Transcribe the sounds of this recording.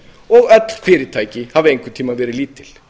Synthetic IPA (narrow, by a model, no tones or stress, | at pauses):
ɔɣœt̪lkʰeːɾɪt̪ʰajcɪhaːʋɛŋkʰɪt̪ʰiːmavʋɛːɾɪliːt̪ʰːɪl̥